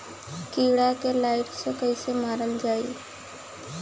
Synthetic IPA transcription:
kiːɽakelaːɪʈsekəɪsemaːɾəld͡ʒaːi

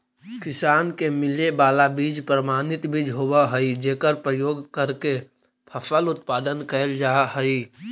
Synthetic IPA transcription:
kɪsaːnkemɪlebaːlabiːd͡ʒpɾəmaːnɪt̪biːd͡ʒɦoːbaɦəid͡ʒeːkəɾpɾəjoːɡkəɾke | pʰɐfəlʊt̪paːd̪ənkəld͡ʒaːɦəi

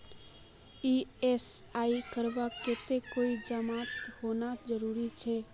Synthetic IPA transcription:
iesaikəɾbaket̪ekoːid͡ʒəmaːt̪honad͡ʒəɾuːɾit͡ʃʰɛ

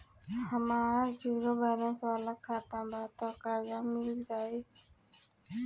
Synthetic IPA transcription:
həmaːd͡ʒiːɾobaːlənsʋaːlakʰaːt̪ãbaːt̪ɔkəɾd͡ʒamɪld͡ʒaːi

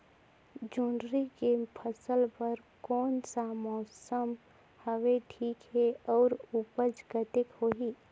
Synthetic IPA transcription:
d͡ʒuɳɖɾikepʰəsəlpəɾ | kɔːnsamɔːsəm | həʋeʈʰiːkɦeɔːɾupəd͡ʒɡət̪ɪkhoɦi

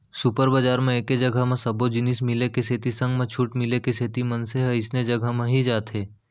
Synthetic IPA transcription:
supəɾbəd͡ʒaːɾmẽeːked͡ʒɐɡʱəɦmẽsɐbod͡ʒɪnismɪlekeseːt̪isɐ̃ŋɡmẽt͡ʃʰuːʈmɪlekeseːt̪imɐnseɦɛɪsned͡ʒɐɡʱəmẽɦid͡ʒaːt̪ʰeː

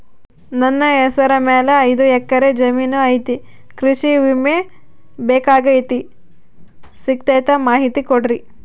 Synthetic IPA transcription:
nɐnːɐɛsɐɾɐmɛːleɐjd̪uɛkːɐɾed͡ʒɐmiːnuɐjt̪i | kɾiʃiʋime | beːkaːɡɐjt̪i | sik̚t̪ɐjt̪ɐmaːɦit̪ikoɽɾi

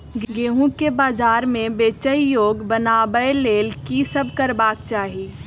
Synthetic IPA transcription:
ɡɡeːɦũkebaːzaːɾmẽbeːt͡ʃəijoːɡbɐnaːbəeleːlkisɐb̚ʱkɐɾbaːk̚t͡ʃaːɦiː

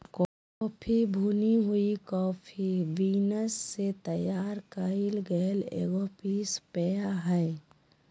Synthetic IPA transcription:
kɔ | pʰibʱuːniɦuikɔːpʰiʋiːnəsːet̪əjaːɾkailɡəlḛːɡopiːspɛjaɦɛː

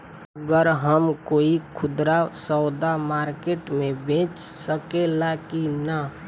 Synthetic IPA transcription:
əɡəɾɦəmkoːikʰʊd̪ɾasɔʊd̪amaːɾkeʈmẽbʱẽːt͡ʃsəkelakina

